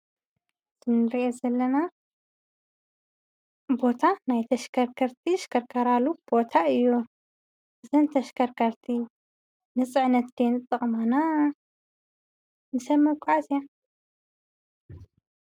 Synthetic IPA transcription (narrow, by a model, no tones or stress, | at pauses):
z̥ɨnɨɾiʔezɐlːɐna | bo̞t̪ʰanajt̪ʰɐʃkʰɐɾkʰɐɾt̪ʰiʃkʰɐɾkʰɐɾalub̥o̞t̪ʰaɨjːu | ʔɨzɐnt̪ʰɐʃkʰɐɾkʰɐɾt̪ʰi | nɨt͡sʼɨʕnɐt̪d̪enɨt̪ʼːɨχʼmana | mɨsɐmːɐkʷʼʕazija